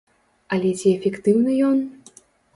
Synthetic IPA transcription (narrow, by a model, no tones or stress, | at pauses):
ɐlʲɛt͡sʲiɛfʲɛkt̪ɨwnɨjɔn